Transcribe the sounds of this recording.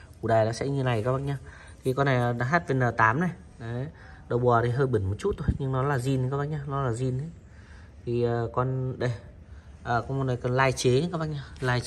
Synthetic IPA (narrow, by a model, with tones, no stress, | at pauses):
ku˨˧˩ɗaː˨˩jɗa̰ː˧˦sɛ̰˧˥ɲɨ˧na˨˩jkaː˦ɓa̰˧˨ŋɲaː˧˩ | t̪ʰi˨˩kɔ˧nːa˨˩˨ɗa˧ɦaː˦˥t̚ve˨˩nəː˨˩t̪aː˨˦mna˨˩j | nə˨˦ | ɗə˨˧˩wɓɔ˨˩t̪ʰi˨˩ɦəː˧jɓi˨˧˩nmo˨˩t̚t͡ɕu˦˥t̪̚ʰo˧jɲɨ˧ŋnɔ˨˦laː˨˩zi˧n˧˨kaː˨˦ɓa̰˧˨nɲaː˧nɔ˨˦laː˨˩zi˧nə˨˦ | t̪ʰi˨˩ə˨˩kɔ˧nɗə˧˩j | ʔəː˨˩kɔ˧ŋmɔ˧˩nɗə˨˩jkɔ˧nlaː˧jt͡ɕe˨˦ɲɨ˧˦kaː˧˦˥ɓa̰˧˨ɲaː˧laː˧j